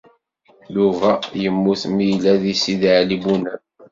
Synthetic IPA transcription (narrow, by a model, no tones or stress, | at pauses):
juvæjəmːuθmilæðisiðʕlibunə